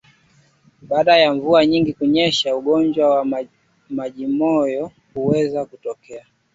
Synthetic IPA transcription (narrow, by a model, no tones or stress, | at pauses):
ɓaːɗajaɱvuaɲiŋɡikuɲɛʃauɠɔnd͡ʒwawa | maʄimɔjɔ | huwɛzakutɔkɛa